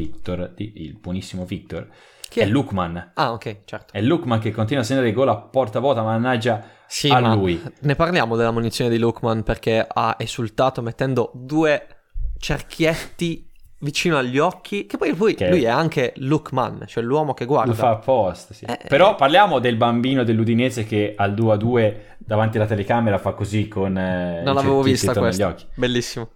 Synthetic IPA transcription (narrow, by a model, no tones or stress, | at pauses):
it̪ːord̪iḭlbwɔnisːimovikt̪ːor | kɛlːukːmanaokːɛjt͡ʃɛrt̪o̥ɛlːukmankekːont̪inwasːend̪aɾeɡɔːlapːɔrt̪avɔːt̪amanad͡ʒa | siamlaːujnːepaɾrljaːmod̪elːamunit̪sːjoːned̪ilukːmanperkea̰ez̥ult̪aːt̪omet̪ːɛnd̪od̪uːe | t͡ʃerk̟ʰjet̪ːivit͡ʃiːnoaʎːɔkʰːikepːɔjpɔjujɛaŋkʰelukma̰nt͡ʃoɛlwɔːmok̟eɡːwarld̪afaːpːɔst̪siɛ̰peɾɔpːarljaːmod̪elbambiːnod̪elːud̪ineːzekeald̪uad̪uːe | d̪avant̪ialat̪elekameɾafakːozikʰːonnnonnlavevovist̪awesʎjɔkːibelːisːimo